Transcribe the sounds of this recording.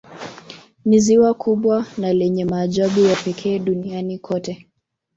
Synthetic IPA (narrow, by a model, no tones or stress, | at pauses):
niziwakʰuɓwanalɛɲɛmaːʄaɓujapɛkʰɛːɗunianikʰɔtɛ